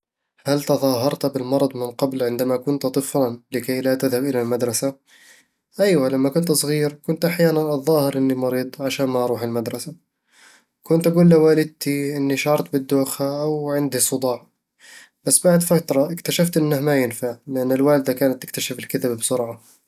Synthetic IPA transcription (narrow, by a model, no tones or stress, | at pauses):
halt̪ɑðˤɑːɦɑɾˤt̪bɪlmɑɾˤɑd̪ˤmɪnqɑblʕɪnd̪amakʊnt̪t̪ˤɨflanlɪkajlat̪ɪðhabʔɪlalmad̪ɾˤɑsa | ʔajwalamːakʊnt̪sˤɣiːɾkʊnt̪ʔaħjaːnanʔɑðˤːɑːhɪɾʔɪnːimɑɾiːd̪ˤʕaʃaːnmaʔɑɾˤuːħɪlmad̪ɾˤɑsa | kʊnt̪ʔaɡuːlːawaːlɪd̪̚t̪iʔɪnːiʃʕɑɾˤt̪̚bɪd̪ːoːxhaʔawʕɪnd̪isˤʊd̪ˤɑːʕ | b̥asːbaʕd̪fat̪ɾˤɑʔɪkt̪aʃaft̪ʔɪnːahmajɪnfaʕlɪʔanːɪlwaːld̪akaːnat̪ːɪ̥k̚t̪aʃɪfɪlkɪðabbsʊɾʕa